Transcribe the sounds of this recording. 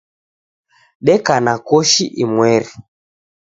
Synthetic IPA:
ɗɛkanakɔʃiʔimwɛɾi

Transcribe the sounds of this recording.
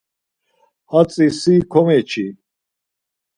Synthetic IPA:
hat͡sʼisikʰɔmɛt͡ʃʰi

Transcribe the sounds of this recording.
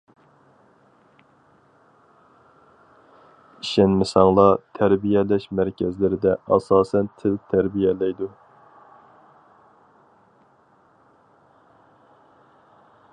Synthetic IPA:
iʃɛnmɪsɑŋlˠɑt̪ʰæɾbijɛlɛʃmæɾkʲʰɛzlɪɾɪd̪ɛʔɑsɑːsɛnt̪ʰɪlt̪ʰæɾbijɛlɛjd̪u

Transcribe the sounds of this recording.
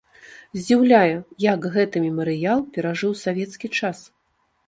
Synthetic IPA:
zʲd͡zʲiwlʲajɛjakɣɛt̪ɨmʲɛmɐɾɨjalˠpʲɛɾaʐɨwsavʲɛt̪skʲit͡ʂas

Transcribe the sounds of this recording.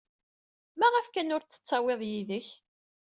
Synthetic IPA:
mæʁəfkænʊɾt͡sːə̥t͡sːɑweðˤjiðəç

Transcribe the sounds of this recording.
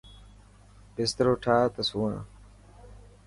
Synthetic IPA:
pɪst̪ɾoːʈʰaːt̪əsuːãː

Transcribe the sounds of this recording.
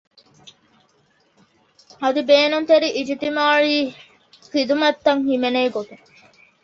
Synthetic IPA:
ɐd̪ibeːnunt̪eɾiʔid͡ʒit̪imaːɻiː | xid̪umɐt̪ːɐŋhimeneːɡot̪uŋ

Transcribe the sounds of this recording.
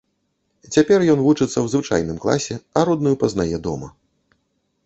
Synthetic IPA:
t͡sʲapʲɛrjɔnvut͡ʂɨt̪sːɐwzvɨt͡ʂa̰jnɨmklˠa̰sʲɛɐɾɔd̪nujupɐznajɛd̪ɔ̰mɐ

